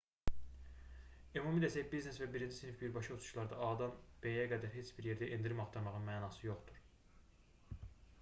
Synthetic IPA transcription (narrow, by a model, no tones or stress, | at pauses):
emumid̪æsæbizne̞svæbiɾind͡ʒisnifbiɾbɑʃɑot̪ʰu̥ʃlˠɑɾd̪ɑɑd̪ɑnb̥ejæɡæd̪æɾɦe̞t͡ʃʰbiɾje̞ɾd̪æʔind̪iɾimɑχt̪ʰɑɾmɑʁɯnmæːnɑːsɯjo̞χt̪uɾ̥